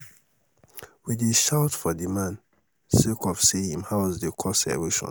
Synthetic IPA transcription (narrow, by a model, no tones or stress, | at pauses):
wid̪iʃawtfɔd̪imãn | sekɔfsiĩmhawzd̪ekʰɔsɛ̰weʃɔ̰̃n